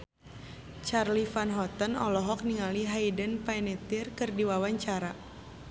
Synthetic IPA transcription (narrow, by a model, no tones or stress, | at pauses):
t͡ʃarlifanɦɔt̪ənɔlɔɦɔk̚niŋaliɦaidənpajnɛt̪irkɨrdiwawaɲt͡ʃaɾa